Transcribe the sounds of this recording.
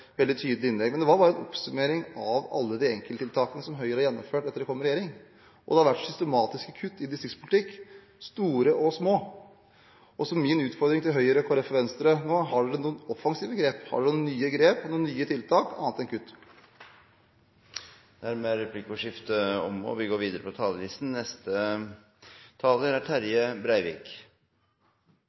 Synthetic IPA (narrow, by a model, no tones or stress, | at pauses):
ʋɛld̪ɪt̪ʰyːd̪əlɪɪnlɛɡmɛnd̪ɛʋɑɾbɑːɾəɛnɔ̰psʉmeːɾɪŋɑʋɑ̰lːəd̪ɪɛŋkələt̪ɪlt̪ʰɑːkənəsɔmɦœʏəɾɑjɛnːɔ̰mføːʈɛt̪ːəɖ̪ɛkʰɔmːəɾɛjeːɾɪŋ | ʔɔ̰d̪ɛhɑɾʋæʈːsʏst̪əmɑːt̪ɪskəkʰʉt̪ːɪd̪ɪst̪ɾɪkspʰʊlɪt̪ʰɪkː | st̪uːɾəʔɔsmoː | ɔsɔmmɪnʉːt̪fɔɾd̪ɾɪŋt̪ʰɪlɦœʏəɾəkʰɑɾɛfɔɾʋɛnst̪əɾənoːɦɑɖʉd̪ɛnuːɔfɑŋsiːʋəɡɾeːphɑ̰ɖʉnuːnyːəɡɾeːpnuːnyːət̪ʰɪlt̪ʰɑːkɑ̰nɑt̪ɛnkʰʉt̪ː | d̪æɾmɛɾɛpʰlɪkʊʂɪft̪əɔ̰mɔ̰ʋɪɡoːɾʋiːd̪əɾəpʰɔt̪ʰɑːləlisnnɛst̪ə | t̪ʰɑːləɾæʈʰæɾjəbɾæɪʋḭːk